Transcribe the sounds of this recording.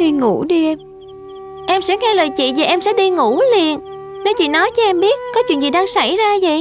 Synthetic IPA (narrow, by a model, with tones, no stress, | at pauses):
ɗi˧ŋu˧˩ɗi˧ʔm | ʔɛ˧msɛ̰˧˥ŋɛ˧ləː˨˩jt͡ɕḭ˧˨vaː˨˩ʔɛ˧msɛ̰˧˥ɗi˧ŋu˧˩li˨˩ən | ne˨˦wt͡ɕḭ˧˨nɔ˨˦jt͡ɕɔ˨˦ʔɛ˧mɓi˦˥ət̚kɔ˨˦t͡ɕwḭ˧˨ənzi˨˩ɗaː˧ŋsa˧˩jzaː˧zə̰˧˨j